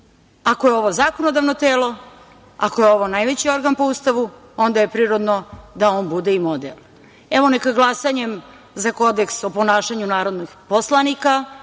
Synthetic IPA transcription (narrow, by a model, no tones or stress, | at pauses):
ako̞jeo̞ʋo̞zaːkonod̪aʋnot̪eːlo̞ | a̰ko̞jeo̞ʋo̞najʋe̞t͡ɕio̞ɾɡanpoust̪aʋu | o̞nd̪aje̞pɾiːɾod̪nod̪aoːnbud̪eimod̪ḛlˠ | eʋo̞nekaɡlˠasaɲem | zako̞d̪eksopo̞naːʃaɲunaːɾod̪nixposlˠanika